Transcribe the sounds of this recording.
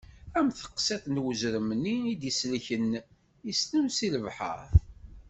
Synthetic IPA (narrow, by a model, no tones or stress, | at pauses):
æmθə̥qːsæθnwəzɾəmənːiid̪jəslçən | ist̪əmsiləvħa̰ɾ